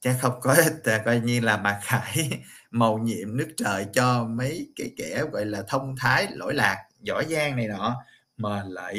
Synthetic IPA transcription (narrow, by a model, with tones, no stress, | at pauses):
t͡ɕaː˨˦˥xə˧wŋ͡mkɔ˨˦˥t̚ːkɔ˧jɲi˧laː˨˩maː˨˩xaː˧˩jmə˨˩wɲḭ˧˨əmnɨ˦˥ək̚t͡ɕəː˨˩jt͡ɕɔ˧mə˨˦jkaː˨˦jkɛ˧˩ɣɔ̰˧˨jlaː˨˩t̪ʰə˧wŋ͡mt̪ʰaː˨˦jlo̰˧˥˨jlaː˨˩k̚zɔ̰˧˥zaː˨˩ŋna˨˩jnɔ̰˧˨ | məː˨˩lə̰ː˧˨j